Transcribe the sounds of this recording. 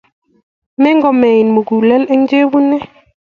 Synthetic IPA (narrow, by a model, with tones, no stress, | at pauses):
mɛ˦ŋɡɔ˨mɛ˨i˨nmu˨ɡu˨lɛ˦lɛ˦ŋ˦d͡ʒe˦βu˦nɛ˦